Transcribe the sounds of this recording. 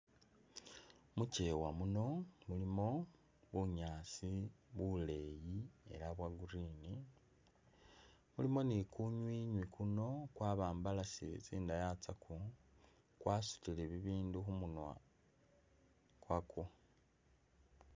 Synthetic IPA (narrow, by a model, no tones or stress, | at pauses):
muce̞wamuno̞mulimo̞ | βuɲaːt͡siβule̞jie̞̰ɾaβwaɡuɾiːni | mulimo̞nikuɲwiːɲwikʰuno̞kwaːβaːmbalasiet͡siːndajat͡saku | kwaːsu̥tileβiβiːnduxumunwa̰ | kwakʰu